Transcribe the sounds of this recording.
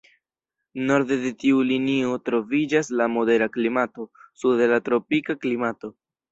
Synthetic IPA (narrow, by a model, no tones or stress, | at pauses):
no̞ɾde̞de̞tiulinio̞tɾo̞vid͡ʒaslamo̞de̞ɾaklimato̞sudlatɾo̞pikaklimato̞